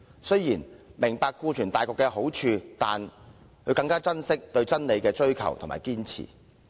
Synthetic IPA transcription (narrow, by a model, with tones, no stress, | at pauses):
sɵ˥ɥjiː˨˩nmɪ˨˩ŋpaː˧kːuː˧t͡ʃʰyː˨˩nt̪aː˨jkɔː˧kːɛ˧ɦo˨˥wt͡ʃʰyː˧t̪aː˨n | kʰɵ˨˧kɐ˧ŋkaː˥t͡sɐ˥nsɪ˥k̚t̪ɵ˧ɥt͡sɐ˥nle˨˧jkɛː˧t͡ʃɵ˥ɥkʰɐ̰˨˩wt̪ʰma̰ː˨˩jkiː˥nt͡sʰḭː˨˩